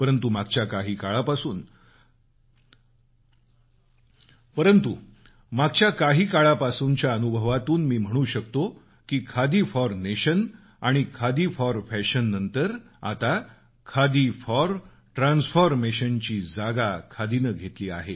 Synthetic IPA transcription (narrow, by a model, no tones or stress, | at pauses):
pəɾənt̪umaɡt͡ɕjakaɦiːkaɭapasuːn | pəɾənt̪u | maɡ̚t͡ɕjakaɦiːkaɭapasuɲt͡ɕjaənubʱəʋat̪uːnmiːm̤əɽ̃uːɕək̚t̪o | kiːkʰad̪iːfɔɾneɕən | aɽ̃ikʰad̪iːfɔɾfɛɕənːənt̪əɾ | a̰t̪a | kʰad̪iːfɔɾ | ʈɾansfɔɾmeɕənt͡ɕiːd͡zaɡakʰad̪inəɡʱet̪liːa̰ɦe